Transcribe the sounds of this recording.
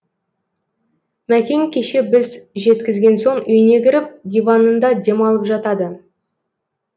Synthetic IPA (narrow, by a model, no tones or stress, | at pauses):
mækʲe̞ŋkʲʰeʃebɪzʒe̞t̪kʲɪzɡʲe̞nso̞ɴʏjne̞ɡʲɪɾɪp̚d̪ʲijvɑnənd̪ɑd̪emɑlˠəpʒɑt̪ɑd̪ə